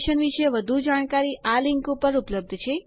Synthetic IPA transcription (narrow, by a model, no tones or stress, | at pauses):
ʃənʋiʃeʋəd̪ʱud͡ʒaɳ̃kaɾiʔaliŋkupəɾupləb̚d̪ʱt͡ʃʰe